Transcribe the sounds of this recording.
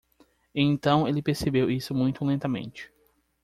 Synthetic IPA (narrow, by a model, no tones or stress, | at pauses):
ẽj̃t̪ɐ̃w̃elɪpeɾsebewisʊmũj̃t̪ʊlẽnt̪ɐmḛ̃nt͡ʃɪ̥